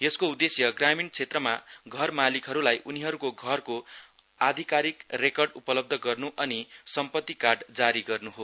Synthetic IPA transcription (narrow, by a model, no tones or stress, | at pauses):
jeskoud̪esjʌɡramint͡sʰet̪rʌmaɡʱʌrmalikɦʌɾulajʔuniɦʌɾukoɡʱʌrko | ad̪ʱikaɾikrekʌrɖupʌlʌb̚d̪ʱʌɡʌrnuʔʌnisʌmpʌt̪ːikarɖd͡zaɾiɡʌrnuɦo